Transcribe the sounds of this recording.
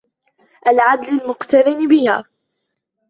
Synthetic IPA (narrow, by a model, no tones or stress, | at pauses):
ʔalʕad̪lalmʊqt̪aɾɪnbɪhaː